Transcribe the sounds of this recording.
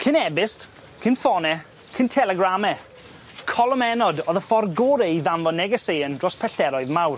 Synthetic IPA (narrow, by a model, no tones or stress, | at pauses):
kʰɪnɛbɪst | kʰɪnfɔnɛ | kʰɪntʰɛlˠɛɡramɛ | kʰɔlˠəmɛnɔdɔðəfɔrɡoɾɛiðanvɔnɛɡəsejəndrɔspʰɛɬtɛɾɔɨðmawr